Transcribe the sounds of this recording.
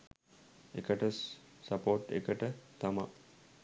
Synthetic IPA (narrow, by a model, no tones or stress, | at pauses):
ekəʈəsːɐpoːʈḛkəʈət̪ɐma